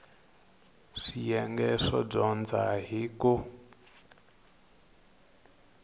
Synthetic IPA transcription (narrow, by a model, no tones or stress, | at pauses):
ʂijɛŋɡɛʂɔb͡ʐɔnd͡zaɦiku